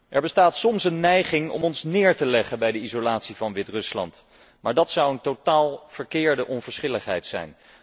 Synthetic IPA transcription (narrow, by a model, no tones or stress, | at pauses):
ʔɛɹbəstaːtsɔmsənːɛjχɪŋɔ̰mɔnsnɪːɹtəlɛχənbɛjdəizolaːtsivɑnʋɪtrɵslɑ̰nt | maːɹdɑtsɑwəntotaːlˠv̥əɹkɪːɹdəʔɔnvəɹsχɪləχɦɛ̰jtsɛ̰jn